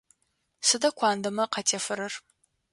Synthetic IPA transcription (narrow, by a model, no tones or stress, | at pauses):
sɨdɐkʷʰaːndɐmɐqɐtʰefɨɾɨr